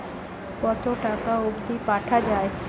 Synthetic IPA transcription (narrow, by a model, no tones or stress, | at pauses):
pɔt̪ʰoʈakaubd̪ʱipaːʈʰad͡ʒaːe